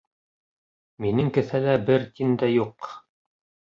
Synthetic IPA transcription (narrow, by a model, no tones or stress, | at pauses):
minɘŋkɘ̆θælæbɘɾt̪ind̪æjuq